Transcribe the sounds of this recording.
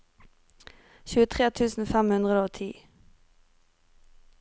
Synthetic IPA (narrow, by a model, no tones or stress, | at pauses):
çʉːət̪ʰʁeːt̪ʰʉːsn̩fæmhʉnd̪ʁəd̪əoːt̪ʰḭː